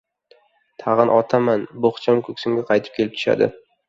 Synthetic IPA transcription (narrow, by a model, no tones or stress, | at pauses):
t̪ʰɑʁɨnʔɒt̪ʰamanboχt͡ʃʰamkʰɵkʲsʊmɡʲaqʰɑjt̪ʰɪ̥p̚kʲelɪp̚t̪ʰʊ̥ʃa̰d̪ɪ̰